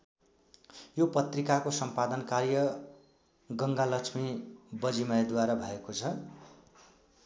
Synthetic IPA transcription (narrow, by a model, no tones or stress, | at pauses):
jopʌt̪rikakosʌmpad̪ʌnkarjʌ | ɡʌŋɡalʌt͡sʰmibʌd͡zimʌjd̪waɾabʱʌekot͡sʰʌ